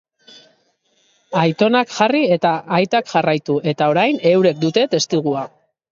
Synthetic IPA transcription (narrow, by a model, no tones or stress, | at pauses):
ajt̪o̞nakʝarie̞t̪aʔajt̪akʝarajt̪uʔe̞t̪ao̞ɾajne̞wɾe̞k̚d̪ut̪e̞t̪e̞st̪iɣ̞ua